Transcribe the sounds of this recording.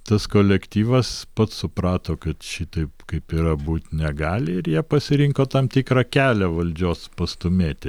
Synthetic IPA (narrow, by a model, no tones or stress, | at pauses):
t̪ɐskoːlʲɛkt̪ʲiːʋɐspɐt̪ssʊprɑːt̪oːkɐt̪ʃʲɪt̪ɐɪpkɐɪpiːɾɐbuːt̪ʲnʲɛɡɑːlʲɪɪɾjiɛpɐsʲɪɾʲɪŋkoːt̪ɐmt̪ʲikrɐkʲæːlʲɛʋɐlʲd͡ʒʲoːspɐst̪ʊmʲeːt̪ʲɪ